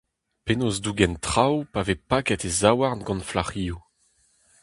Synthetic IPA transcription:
penozduɡɛnt̪χawpavepakɛtezawaʁnɡɑ̃nflaʁiːu

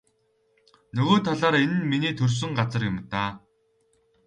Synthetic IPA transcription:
nɵɣoːt̪ʰaɮaːɾenɘ̆nminiːt̪ʰɵrs̬ɵ̆ŋɢat͡sə̆rjʊmt̪aː

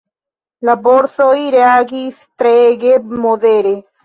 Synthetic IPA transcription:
nɐboɾsoiɾeaɡist̪ɾeɡemoðeɾe

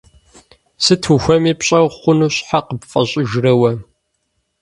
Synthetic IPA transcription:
sɨtʰuxʷɐmiːpɕʼɐwχʷʊnuːɕʼħaqəbfʼɐɕʼɪʒrɐwɐm

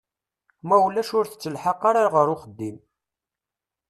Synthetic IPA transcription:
mæwlæʃʊɾθə̥t͡sːəlħəqːaɾaɾʁəɾʊχəd̪ːim

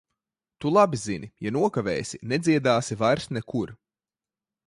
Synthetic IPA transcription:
t̪ulˠabizinijanuɔkavɛ̰ːjsʲinɛd̪zʲiɛd̪aːsivajɾsnɛkuɾ

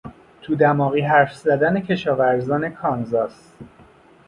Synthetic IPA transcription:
t̪ʰuːd̪æmɒːɣiːɦæɾfzæd̪ænecʰe̞ʃɒːvæɾzɒːne̞kʰɒːnzɒːs

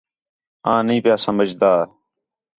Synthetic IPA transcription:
ãːnĩːpɪjaːsəməd͡ʒd̪aː

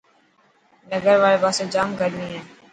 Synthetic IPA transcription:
nəɡəɾʋaːɭeːpaːsoːd͡ʒaːmkəɾniːɦɛː

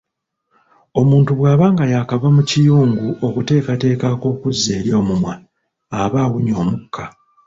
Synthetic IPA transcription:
o̞muːntuβwaːβaːŋɡajakavamucijuːŋɡuʔo̞kute̞ːkate̞ːkako̞ːkuzːe̞ːɾjo̞ːmumwaː | βawuɲo̞ːmukʰːa

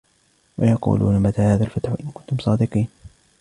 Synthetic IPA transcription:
wɑ̰jɑqṵːlṵːnamat̪aːhaːðalfat̪ħʔɪnkʊnt̪ʊmsˤɑːd̪ɨqiːn

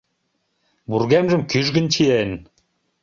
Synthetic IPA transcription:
buɾɡæmʒɘ̆mkyʒɡɘ̆nt͡ɕʰijæn

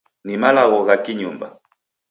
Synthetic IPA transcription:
nimalaɣɔɣakiɲumba̰

